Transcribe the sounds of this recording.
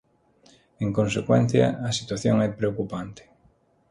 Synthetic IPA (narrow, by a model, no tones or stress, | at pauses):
eŋkonsekwɛn̟θjɐ̰ɐsit̪waθjoŋɛpɾeokupant̪ɪ̥